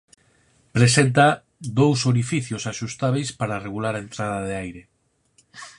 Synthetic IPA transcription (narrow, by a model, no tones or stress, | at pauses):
pɾesent̪a | d̪owsoɾifiθjosaʃust̪aβejspaɾareɣulaɾaent̪ɾað̞ɐðeajɾe